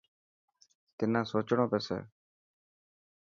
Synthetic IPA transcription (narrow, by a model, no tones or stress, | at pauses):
t̪ɪnãːsoːt͡ʃɳõːpeːsɛ̰ː